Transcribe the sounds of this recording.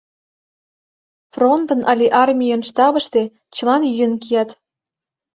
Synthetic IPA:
front̪ɤ̆nʔɑlʲiʔɑrmʲijənʃt̪ɑβə̆ʃt̪e̽ | t͡ɕə̆lɑnjyjə̆nkijɑt̪

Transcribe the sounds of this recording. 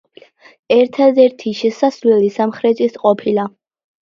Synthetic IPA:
ɛɾt̪ʰad̪ɛɾt̪ʰiʃɛsasvlɛlisamχɾɛt̪ʼisqʼɔpʰila

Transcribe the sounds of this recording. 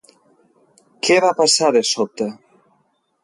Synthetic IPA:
kʰeβapasaðesot̪e

